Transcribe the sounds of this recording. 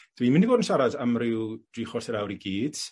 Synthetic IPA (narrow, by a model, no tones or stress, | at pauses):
d̥wiːmɪndiboːdən̩ʃaɾadəmrɪwd̥riːχɔrθɛɾawɾiɡiːd̥